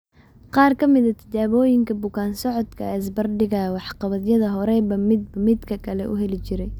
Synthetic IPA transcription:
qɑːrkʰɐmɪðɐt̪ʰɐ̥t͡ʃaːβɔːjɪŋkʰɐbʊkʰaːnsɔʕɔd̪kʰɐɛs̬bɐrɖɪɣɐwɑħqɑβɐðjɐðɐɦɔɾɛbɐmɪd̪mɪd̪kʰɐkʰɐlɛ̰ʔʊ̰ɦɛlɪt͡ʃɪɾɛj

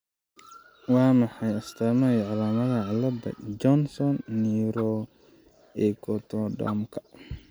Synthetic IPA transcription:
wɑːmɑħɑjɐst̪ʰɐmɐɛjʕɑlaːmɐðɐʕɑlːɐd̪ɐ̰d͡ʒɔnsɔnːiːɾɔː | ɛːkʰɔt̪ʰɔɖɔ̰mkʰɐ̥

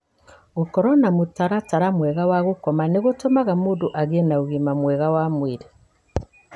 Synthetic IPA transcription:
ɣokɔɾɔnamotaɾataɾamwɛɣawaɣokɔmaneɣotomaɣamodoʔaɣenaoɣimamwɛɣawamweɾe

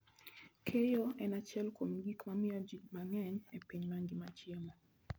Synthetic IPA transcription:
kʰejoɛnat͡ʃɛlkomɡikmamɪad͡ʒiɡmaŋɛɲepiɲmaŋɡimat͡ʃɪemɔ

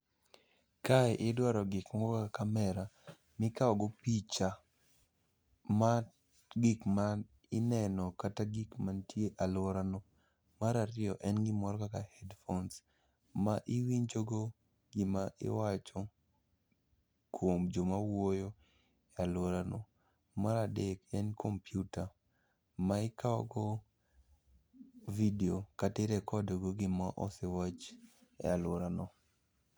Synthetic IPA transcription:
kaɛʔɪdwaɾɔɡɪkmɔkaakamɛɾa | mɪkaɔɡopit͡ʃa | ma | ɡɪkman | ɪnɛnɔkataɡikmantjeʔalwɔɾano | maɾaɾɪɔʔɛnɡɪmɔɾɔkakahɛdfons | maʔɪwiɲd͡ʒoɡo | ɡɪmaʔɪ̰wat͡ʃɔ | kwomd͡ʒomawojo | ɛalwoɾanɔ | maɾadekɛnkʰompjuta | maɪkaɔɡo | videokatɪɾɛkɔdoɡoɡɪmaʔɔsɛwat͡ʃɛ̰alwoɾanɔ

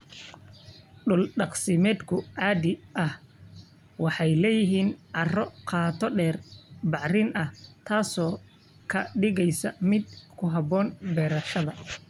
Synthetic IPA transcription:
ɖʊlɖɑqsɪmɛːd̪kʰʊʕɑːd̪ɪʔɐh | wɑħɑjlɛːjɪɦiːnʕɑrɔqʰɑːt̪ʰɔɖɛːrbɑʕrɪnɐht̪ʰaːsɔː | kʰɐɖɪɣɛjsɐmɪd̪kʰʊɦɐbɔːnbɛːɾɐʃɐðɐ

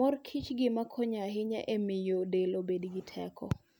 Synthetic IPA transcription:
ɔrkʰit͡ʃɡɪmakʰɔɲaɦɪɲa̰ʔemɪjodelobedɡɪtʰɛ̰kʰɔ̰

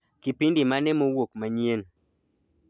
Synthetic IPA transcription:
kipindimanɛmowok̚maɲjen

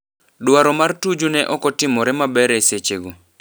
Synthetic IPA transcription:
dwaɾɔmartud͡ʒunɛʔɔkɔtɪmɔɾɛmabɛɾɛset͡ʃeɡo

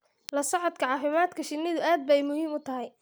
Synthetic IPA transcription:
lɐsɔʕɔd̪kʰɐʕɑːfɪmaːd̪kʰɐʃɪnːɪðʊaːd̪̚bɛjmʊhiːmʊt̪ʰɐɦɛj

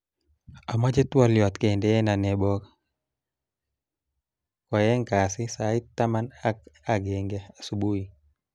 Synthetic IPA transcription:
amad͡ʒɛt̪wɔljɔt̪kɛndɛɛnanɛbɔk | kɔjɛŋkasisaitːamanakaɡɛŋɡɛasubui

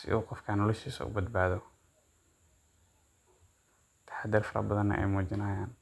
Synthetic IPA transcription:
sɪ̰ʊqɔfkʰɐnɔlɛʃiːsɐ̰ʊ̰bɐd̪̚baːðɔ | t̪ʰḁħad̪ɪrfɐɾɐ̰bɐðɐnːɐ̰ʔɛ̰jmuːt͡ʃɪnaːjaːn

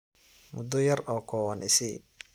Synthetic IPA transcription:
mʊd̪ːɔjɐrɔːkʰɔːwɐnʔɪsɪ̰

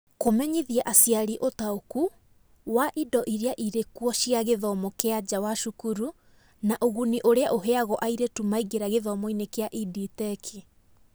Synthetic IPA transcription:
komɛɲiðjaʔasijaɾiʔotaoku | waʔidɔʔiɾeaʔiɾekwɔʃiaɣeðɔmɔkead͡ʑawaʃukuɾu | naʔoɣuniʔoɾeaʔoɦeaɣɔʔaiɾetumaiɣeɾaɣeðɔmɔinekeaʔiditɛkʰi

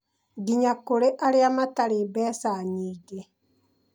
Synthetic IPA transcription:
ɡiɲakoɾeʔaɾeamataɾebɛːsaɲiːɡe

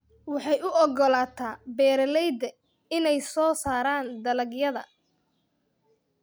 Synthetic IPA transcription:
wɑħɑjʊʔɔɡɔlaːt̪ʰaːbɛːɾɐlɛjd̪ɐ | ɪnɛjsɔːsaːɾaːnd̪ɐlɐɡjɐðɐ̰

